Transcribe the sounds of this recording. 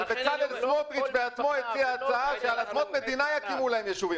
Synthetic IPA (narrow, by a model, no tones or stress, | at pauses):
bet͡sadelsmot̪ʁitbeat͡smo̞et͡siaːt͡saaʃealasmot̪me̞d̪inajakimulahemjeʃuvim